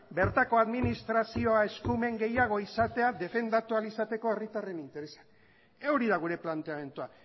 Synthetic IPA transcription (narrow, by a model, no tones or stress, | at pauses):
be̞ɾt̪ako̞aðminist̪ɾasio̞ae̞skume̞ŋɡe̞jaɣ̞o̞isat̪e̞aðe̞fe̞nd̪at̪ualisat̪e̞ko̞erit̪are̞nint̪e̞ɾe̞sḁ | euɾiðaɣ̞uɾe̞plant̪e̞ame̞nt̪ua